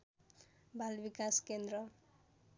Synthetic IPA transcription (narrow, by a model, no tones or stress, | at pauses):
bʱalbikaskend̪ɾʌ